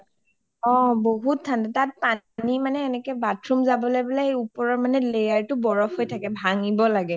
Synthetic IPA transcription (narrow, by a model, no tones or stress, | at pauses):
ɔ̃boɦuttʰːantɛtat̚pa | nimanɛːnɛkɛbatʰɹumzabɔlojbilaupɔɹɔɹmanɛlejaɹtʊbɔɹɔpɦojtʰakɛbʱaŋibɔlaɡɛ